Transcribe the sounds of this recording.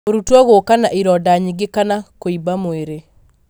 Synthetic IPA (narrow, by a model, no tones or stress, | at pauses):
oɾutwɔɣokanaʔiɾɔdaɲiɡekanakoibamoeɾe